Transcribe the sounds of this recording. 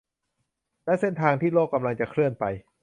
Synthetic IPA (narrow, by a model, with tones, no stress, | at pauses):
lɛː˦˥se˥˩nt̪ʰaː˧ŋt̪ʰiː˥˩loː˥˩kːa˧mla˧ŋt͡ɕa˨˩kʰɾɯ˥˩ənpa˧j